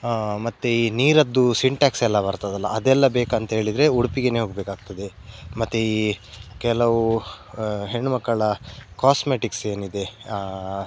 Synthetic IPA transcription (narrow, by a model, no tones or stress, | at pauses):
mɐt̪ːeiːniːɾɐd̪ːusiɳʈaːksɛlːɐbɐɾt̪ad̪ɐlːɐʔɐd̪ɛlːɐbeːkɐnt̪ɐɦeːɭid̪ɾe̞uɽupiɡeneɦoɡbeːkaːɡ̚t̪ɐd̪e̞ | mɐt̪ːeiːkɛlɐʋu | ɦeɳːumɐkːɐɭɐkaːsmeːʈikse̞ːnid̪e̞